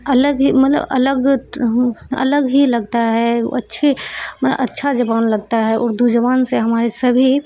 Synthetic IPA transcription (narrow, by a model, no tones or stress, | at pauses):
ələɡɦimət̪lə̰bə̰ləɡ | ə̰ləɡɦiləɡt̪aɦɛ̰ətːʃʰeməə̰ʔətːʃʰad͡ʒəʋaːnləɡ̚t̪aɦɛʔɔːɾd̪ud͡ʒəʋaːnseɦəmaːɾesəbʱi